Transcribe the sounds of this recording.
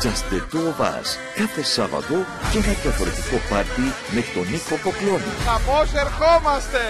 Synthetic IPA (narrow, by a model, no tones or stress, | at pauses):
t͡ʃɐst̪et̪oːvɐ̰s | kɐtosɐvɐ̰t̪o̞ | cenɐðjɐfo̞ɾe̞t̪iko̞pɐɾt̪i | me̞t̪o̞niko̞ko̞klo̞nḭxaposeɾxomɐst̪e